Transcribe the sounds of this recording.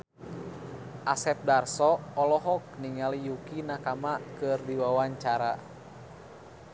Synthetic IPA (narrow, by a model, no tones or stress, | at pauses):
ʔasɛp̚darsɔɔlɔɦɔk̚niŋalijukinakamakɨrdiwawaɲt͡ʃaɾa